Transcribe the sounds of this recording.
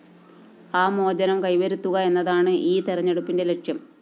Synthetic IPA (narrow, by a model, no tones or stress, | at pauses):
aːmo̞ːd͡ʑɐnɐmkɐjʋɐɾut̪ːuɣɐe̞nːɐðaːɳɨʔiːt̪iɾɐɲːɐɽupːinde̞leʈʂjɐm